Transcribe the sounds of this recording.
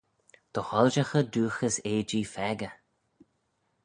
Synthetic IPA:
d̪̥əxɔlʒaxəd̪uːxəseːd͡ʒiːfɛɡə

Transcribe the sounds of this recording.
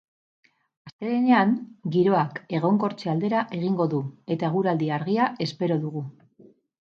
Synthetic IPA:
ast̪e̞ɾeneaŋɡiɾo̞ake̞ɣ̞o̞ŋko̞ɾt͡seald̪e̞ɾaʔe̞ɣiŋɡo̞ðue̞t̪ae̞ɣ̞uɾald̪iaɾɣiaʔe̞spe̞ɾo̞ðuɣu

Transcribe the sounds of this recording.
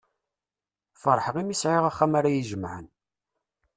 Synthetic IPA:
fəɾˤħəʁimisʕeʁaχːæmaɾæjiʒəmʕən

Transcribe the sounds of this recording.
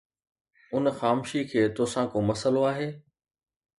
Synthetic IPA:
ʊnxaːmʃikʰeːt̪oːsãkomɐsəloaːɦeː

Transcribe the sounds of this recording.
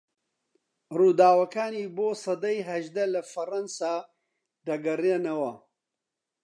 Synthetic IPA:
ruːd̪aːwɐkaːniːboːsɐd̪ɐjɦɐʒd̪ɐlɐfɐrɐnsaː | d̪ɐɡɐrenɐwɐ

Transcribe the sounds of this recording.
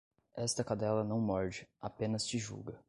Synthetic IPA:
ɛst̪ɐkad̪ɛlɐnɐ̃w̃mɔɾd͡ʒɪapẽnɐst͡ʃɪʒṵɡɐ

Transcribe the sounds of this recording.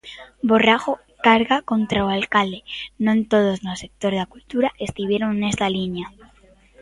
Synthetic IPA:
bo̞raxo | kaɾɣako̞nt̪ɾaoalkald̪enoent̪o̞ð̞o̞znose̞k̚t̪o̞ɾakult̪uɾaʔe̞st̪uβje̞ɾonene̞st̪alinja

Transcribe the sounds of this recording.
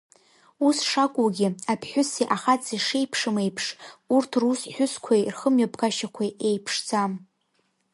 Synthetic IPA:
usʂakʷʼuɡʲɪapʰħʷᶣʊsiʔaχat͡sʰʼiʂejpʰʂɨmejpʰʂurtʰrusħʷᶣʊskʷʰajrχəmɥapkʰʼaʃakʷʰaejpʰʂd͡zam

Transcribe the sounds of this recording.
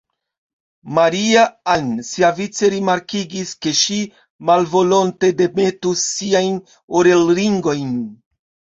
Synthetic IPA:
maɾiaansiavit͡se̞ɾimaɾkiɡiske̞ʃi | malvo̞lo̞nte̞de̞me̞tusiajn | oɾe̞lɾiŋɡo̞jn

